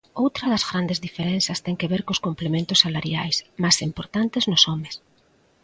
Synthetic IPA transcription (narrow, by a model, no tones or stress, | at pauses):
owt̪ɾɐðɐzɣɾand̪ezðifeɾɛnθɐst̪ɛŋkeβeɾkoskomplemẽnt̪ʊsːalaɾjajsmasimpoɾt̪ant̪eznʊsɔmes